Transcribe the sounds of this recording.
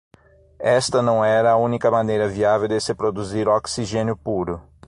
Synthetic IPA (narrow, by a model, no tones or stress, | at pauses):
ɛst̪ɐnɐ̃w̃ɛɾɐːũnikɐmɐ̃nejɾɐviavewd̪ɪsɪpɾod̪uziɾoksiʒẽnjʊpuɾʊ